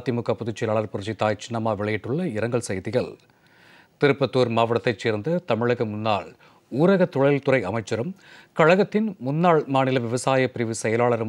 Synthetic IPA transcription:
t̪ːimʊkːɐpːʊðɪt͡ʃːɪlaːɭɐɾpʊɾɯt͡ʃːit̪ːaːjt͡ʃɪnɐmaːʋɪɭɐjɪʈːʊɭːɐɪɾɐŋɡɐɭsɐjðɪɣɐɭ | t̪ɪɾɯpːɐt̪ːuːɾmaːʋɐɽɐt̪ːɐɪt͡ʃːeːɾnd̪ɐt̪ɐmɪɻɐɣɐmʊnːa̰ːɭ | uːɾɐɣɐt̪ːɔɻɐlt̪ʊɾɐɪɐmɐɪt͡ʃːɐɾɯmkɐɻɐɣɐt̪ːɪnmʊnːaːɭmaːnɪlɐʋɪʋɐsaːjɐpɪɾɪʋɯsɛjɐlaːɭɐɾɯ

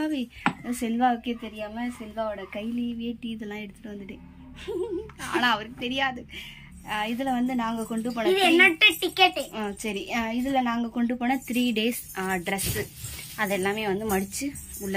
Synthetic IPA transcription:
aːʋisɛlʋaːɔkːeːt̪ɛɾɪjaːmɐsɛlʋaːɯɽɐkɐɪliʋiːʈːiɪðɯlːãːɛɽɯt̪ːɯ̥ʈːɯʋɐnd̪ɯʈːe | a̰ːnãːɐʋɐɾɯkːɯt̪ɛɾɪjaːðɯ | ɪðɪlɐʋɐnd̪ɯnaːŋɡɐkɔɳɖɯp̬oːnːɐðɯɛnːɐʈːɯʈɪkːeʈːsɐɾiɪðɪlɐnaːŋɡɐkɔɳɖɯpoːnɐt̪ɾiːɖeːs | ɖɾɛsɯɐðɛlːaːmeːʋɐnd̪ɯmɐɽɪt͡ʃːɯʊɭːɐ

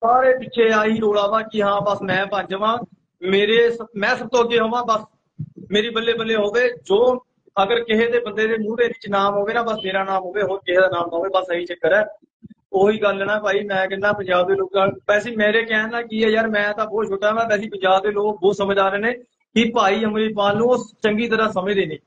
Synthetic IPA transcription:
saːɾeːpɪtːʃʰeːaːɦiːɾoːɽaːʋãːkɪɦãːbəsmɛ̃ːpəãːɲd͡ʒəʋãː | meːɾeːsəmɛ̃ːsəb̚t̪õːɡeːɦoːʋãːbəs | meːɾeːbəlːeːbəlːeːɦoːʋeːd͡ʒoː | əɡəɾkɪɦeːd̪eːbənd̪eːd̪eːmuːdeːʋɪt͡ʃnaːmɦoːʋeːnãːbəsmeːɾaːnaːmɦoːʋeːɦoːɾkɪɦeːd̪aːnaːmpaːʋeːbəsəɦiːt͡ʃəkːəɾɛː | oːɦiːɡəlːɛːɽ̃aːɛːpaːiːmɛ̃ːkɛnːãːpəɲd͡ʒaːb̚d̪eːloːkãːnpɛːsiːmeːɾeːkɛːnːãːkiːɛːjaːɾmɛ̃ːt̪ãːboːt͡ʃʰoːʈaːʋãːpɛːsiːpəɲd͡ʒaːb̚d̪eːloːk̚boːsəmːd̪aːɾeːneː | kipaːiːəmɾiːpaːlnũːʊst͡ʃəŋɡiːt̪əɾãːsəmẽːd̪eːnĩː

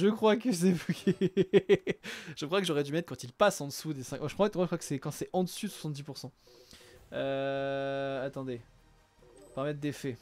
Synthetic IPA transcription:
ʒəkχwakəs̬ɛvukʲʰi | ʒ̥əkχwakəʒɔʁɛd̪ymɛt̪χkɑ̃t̪ilpasɑ̃d̪əsud̪esɛ̃kmaʒəkafɛt̪mwaʒəkwakə̥sɛkɑ̃sɛʔɑ̃d̪əsydəswḁsɑ̃t̪̚d̪ipuʁsɑ̃ | ø | at̪ɑ̃d̪e | paʁamɛt̪̚d̪efɛ

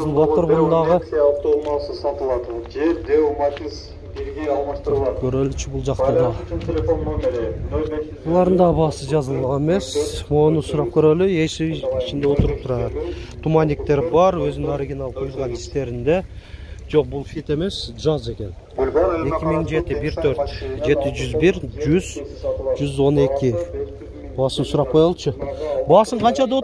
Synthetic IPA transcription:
ɑzəlˠbwoəɾbʊnnd̪ɑʁəift̪omɑsəsɑt̪əlˠɑd̪əʒed̪emat̪ʲiz | bʲelɡʲeɑlˠmɑst̪əɾlˠɑd̪əkʲʰɵɾelɪt͡ʃɪbʊlˠʒɑqt̪əd̪ɑt̪ʲʰelʲefon | olˠɑɾənd̪ɑbɑsəʒɑzəlˠʁɑneme̞swo̞nəsʊɾɑp̚kʲʰɵɾelɪjeʃɪiʃɪnd̪e̞wo̞t̪əɾəp̚t̪ʰʊɾɑd̪ət̪ʰumɑnʲik̚t̪e̞ɾbɑɾwɵzɪnɪŋoɾiɡʲinɑlˠq̪ʰujlˠʁɑnɪst̪e̞ɾɪnd̪e̞ʒo̞q̚bʊlˠfit̪e̞me̞sʒɑze̞kʲe̞n | e̞kʲɪmɪŋʒe̞t̪ɪbɪɾt̪ʰɵɾt̪ʒe̞t̪ɪʒʏzbɪɾʒʏzʒʏzwo̞ne̞kʲɪ | bɑsəmsʊɾɑp̚qʰo̞jɑlˠəʃəbɑsəɴqʰɑnt͡ʃɑd̪ɑo

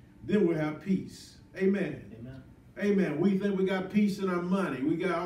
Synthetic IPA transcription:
ðɨ̃nwiɨv̥pʰis | eɪmɛ̃n | ʔeɪmɛ̃nwiθɪ̃ŋkwiɡɑt̚pʰisɨ̃naəmʌniwiɡɑɾ

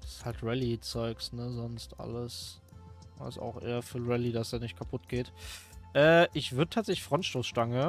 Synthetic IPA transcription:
d̥shaltʁɛlit͡sɔʏksnəzɔnstʔa̰ləs | a̰sa̰ʊxʔḛːɐfyːʁɛlidasd̥aːnɪçt̚kʰapʰʊt̚ɡ̥eːtʔɛːʔɪçv̥ʏɐdətʰaːtz̥ɛçlɪçfʁ̥ɔntʃtoːsʃtaŋə

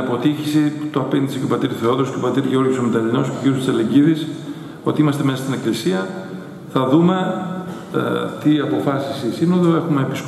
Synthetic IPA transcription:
ɐpo̞t̪içisit̪oɐpe̞nd̪isicopɐt̪iɾuθe̞o̞ðoscopɐt̪iɾʝeo̞ɾʝosomet̪ɐlino̞sceʝiɾust̪i̥sɐleɲɟiðis | o̞t̪iimɐst̪e̞mesɐst̪ineklisiɐ | θɐðume̞ | t̪iɐpo̞fɐsisisino̞ðoe̞xume̞ːpisk

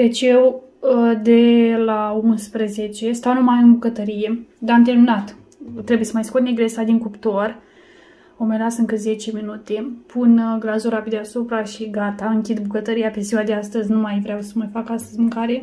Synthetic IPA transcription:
d̪et͡ʃew | d̪elaumspɾəzet͡ʃe̞st̪awnumaɨnbukət̪əɾije̞d̪aamt̪elminat̪ | t̪ɾebuje̞səmajskot̪neɡɾesad̪iŋkupt̪or | omelasɨŋkəze̞t͡ʃe̞minut̪e̞pʰunɡlazuɾapid̪easupɾaʃiɡat̪aɨŋkʲid̪bukət̪əɾijapeseoad̪east̪əzʲnumajvɾeawsəmafakast̪əzʲmɨŋkaɾe

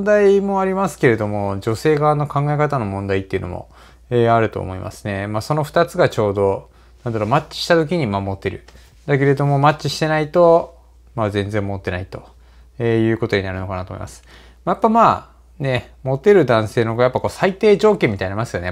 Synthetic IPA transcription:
d̪aimo̞aɾʲimasɨ̥ke̞ɾe̞d̪o̞mo̞d͡ʑo̞se̞ːɡanːo̞kãŋɡaekat̪ano̞mõ̞nd̪ait̪ːeiɯ̟̰no̞̰mo̞̰ | eːaɾɯ̟t̪o̞̰ːmo̞ḭmʔa̰sɨ̥ne̞maːso̞no̞ɸɯ̟̥t̪at͡sɨɡat͡ɕo̞ːd̪o̞ | nãnd̪aɾo̞ːmat͡ɕːi̥ɕi̥t̪at̪o̞k̬ʲiɲ̟imamo̞t̪ːe̞ɾɯ̟̰ | d̪ak̬e̞ɾe̞d̪o̞mo̞matɕiɕi̥t̪e̞nait̪o̞ | maːzẽ̞nd͡zẽ̞mːo̞t̪ːe̞nait̪o̞̥ | eːjɯ̟ːko̞t̪o̞ɲinaɾɯ̟no̞kanat̪omo̰ḭmasɨ̥ | majapːamaː | ne̞mo̞t̪e̞ɾɯ̟d̪ãɰ̃se̞ːnoɡojapːako̞ːsait̪e̞ːd͡ʑo̞ːkʲẽmʲːit̪ainamasɨjo̞ne̞

